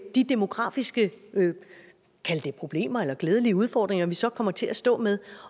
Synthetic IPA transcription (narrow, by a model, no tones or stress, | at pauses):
d̥id̥e̝mo̝ɡ̥ʁɑ̰̈ːfisɡ̥ə | kʰæld̥e̝pʰʁo̝b̥le̝̰ːmɐelɐɡ̥leːð̞ˠəliəuð̞ˠfɒ̰ːd̥ʁeŋɐʋisɒ̽kʰɒ̽m̰ɐt͡sʰe̝æsd̥ɔ̰̽ːmeðˠ